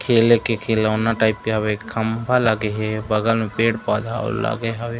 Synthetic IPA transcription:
kʰeːlekekʰeːlanaʈaːɪp̚keɦɐwekʰːɐmbʱalaɡeɦɛbɐɡəlmẽpeːɽpaːd̪ʱao̰la̰ɡeɦɐwe

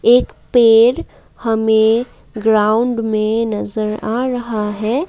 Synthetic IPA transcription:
eːkpeːɾ | hɐmẽ | ɡɾaːʊɳɖmẽnɐzəɾaːɾɐɦaɦɛː

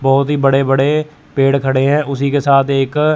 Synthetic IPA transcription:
bɔːt̪ɦiːbəɽebəɽe | peːɽkʰəɽeɦɛ̃ːʔʊsikesaːt̪ʰeːk

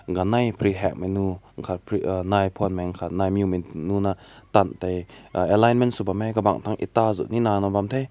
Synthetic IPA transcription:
ɡanajpʰɾiɦɛk̚mɛnuŋkʰat̚pʰnajpʰɔnmaŋkʰat̪̚najmjuminunat̪antajɛlajnmɛnsubamɛjkaba̰ŋt̪ʰaŋʔḭt̪azṵʔninanɔbamt̪ʰej

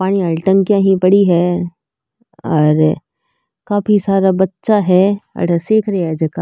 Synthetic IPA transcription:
paːɽ̃iɐɭʈə̃ŋkjãːɦĩpɐɽiɦɛ | ɔːɾ | kaːfisaːɾabɐtːʃaɦɛɐ̰ʈəsiːkʰɾɐɛd͡ʒɐkaː

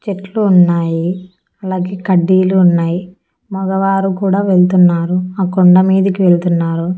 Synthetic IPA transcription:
t͡ʃeʈluːnːaːji | ɐlaːɡeːkɐɖːiːluːnːaːji | mɔɡɐʋaːɾukuːɽaːʋe̞ɭt̪unːaːɾuaːkoɳɖɐmiːd̪ɐkiʋe̞ɭt̪unːaːɾu

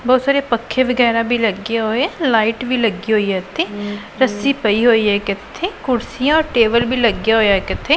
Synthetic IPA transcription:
bɔːt̪saːɾeːpəkʰːeːʋəɡɛːɾaːbʱiːləɡjaːɦoːeɛːlaːiːʈʋiːləɡiːɦoːiːɦɛːt̪ʰeː | ɾəsiːpəiːɦoːiːɦɛːkɪt̪ʰːeːkʊɾsijãɔːɾʈeːbəlbiːləɡjaːɦoːjaːɛːkɪt̪ʰːeː

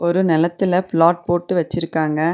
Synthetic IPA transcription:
ʔɔɾɯnɛlɐt̪ːɪlɐplaːʈ̚poːʈːɯʋɐt͡ʃːɪɾɯkːaːŋɡɐ

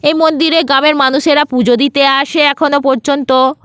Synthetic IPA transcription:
ejmond̪iɾeɡɾameɾmanuʃeɾapud͡ʑod̪it̪eaʃeɛkʰonopɔɾd͡ʑont̪o

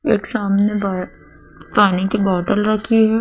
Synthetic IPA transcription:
eːksaːmneb | paːnikibɔːʈəlɾɐkʰiɦɛː

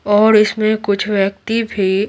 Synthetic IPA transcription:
ɔːɾɪsmẽkʊt͡ʃʰʋjək̚t̪ibʱi

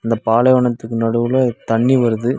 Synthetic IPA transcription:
ɐnd̪ɐpaːlɐʋɐɳɐt̪ːɯkːɯnɐɽɯʋɯlot̪ɐɳːiʋɐɾɯðɯ

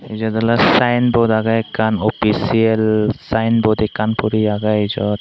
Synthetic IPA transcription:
izɔd̪alasajnbɔdaɡaɛkːanɔpʰisiɛlsajnbɔd̪ɛkanpɔɾiaɡaizɔt̪

